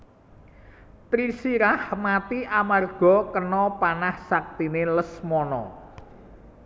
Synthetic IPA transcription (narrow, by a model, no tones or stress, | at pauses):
t̪ɾisiɾahmat̪iʔamarɡ̥ɔ̤kənɔpanahsak̚t̪ineləsmɔnɔ̰